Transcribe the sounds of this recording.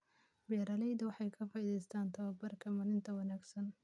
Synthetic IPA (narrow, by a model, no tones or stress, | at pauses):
bɛɾɐlɛjd̪ɐwɑħɑjkʰɐfaːiːðɛjst̪ʰaːnt̪ʰɐwɐbɐrkʰɐmɐlɪnt̪ʰɐwɐnaːɡsɐn